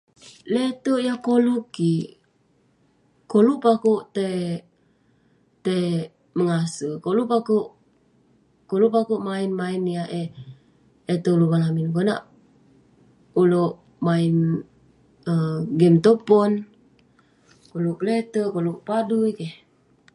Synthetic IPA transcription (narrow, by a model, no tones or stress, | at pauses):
let̪əʔjakolukːi | koluʔpakoʔt̪e | t̪e | məŋasəkolupakoʔ | koluʔpakoʔmainmainijaʔe | et̪olukalaminkona̰ʔ | uloʔ | main | əɡɛmt̪opɔn | koluklet̪əkoluʔpadujkeh